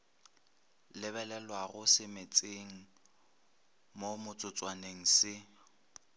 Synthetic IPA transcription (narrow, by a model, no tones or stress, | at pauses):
lɪβɛlɛlwaɣʊsɪmet͡sʼeŋ̩ | momʊt͡sʼʊt͡sʼwaneŋ̩sɪ